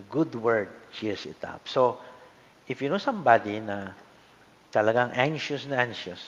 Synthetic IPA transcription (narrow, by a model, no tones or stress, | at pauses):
ɡʊd̪wɛɹd̪̚ʃisɪt̪a̰pso | ʔɪfjunosãmbad̪inɐ | t̪ɐlɐɡaŋʔãŋʃʊsnɐʔãŋʃʊs